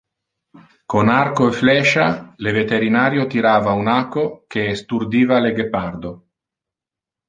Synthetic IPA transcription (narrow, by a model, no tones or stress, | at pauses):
konarkoeflɛʃalevet̪eɾinaːɾjot̪iɾaːvaunakːokeːst̪urd̪iːvaleɡepard̪o